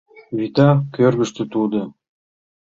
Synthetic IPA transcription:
vʲit̪ɑkʲøɾɡɘ̆ʃt̪ə̆t̪ud̪ə̆

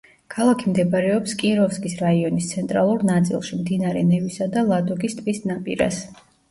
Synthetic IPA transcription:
kʰalˠakʰimd̪ɛbɾɛɔpskʼiɾɔfskʼisɾaiɔnist̪sʰɛnt̪ʼɾalˠuɾnat̪sʼḭlˠʃimd̪inaɾɛnɛvisad̪alˠad̪ɔɡist̪ʼvisnapʼḭɾa̰s

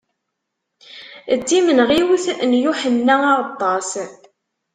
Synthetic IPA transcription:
əd̪ːimənʁiwiθnjuħənːæɑɾt̪ˤːɑs

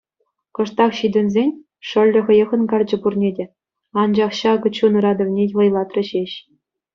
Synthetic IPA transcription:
kɤ̆ʂt̪ɑχɕid̪ʲɘ̆nʲzʲenʲ | ʂɤ̆lʲːɘ̆χɤ̆jɤ̆ʁɤ̆nkɑrʲd͡ʑɘ̆purnʲedʲĕ | ɑnd͡ʑɑχɕɑɡɤ̆t͡ɕunɤ̆ɾɑd̪ɤ̆ʋnʲetʲlˠɤ̆jlˠɑt̪rʲɘ̆ɕeɕ

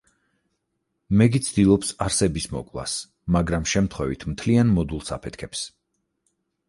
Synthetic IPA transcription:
mɛɡit̪sʰd̪ilˠɔpsaɾsɛbismɔ̰kʼlˠa̰s | maɡɾamʃɛmt̪ʰχwɛvit̪ʰmt̪ʰlianmɔd̪ulˠsa̰pʰɛt̪̚ʰkʰɛps

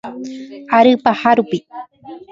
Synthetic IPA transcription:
aɾɨpahaɾʊpi

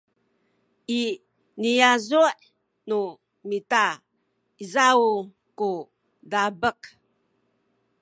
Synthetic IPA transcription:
ʔi | nijazuʔ | nu | mita | izau | ku | dabək

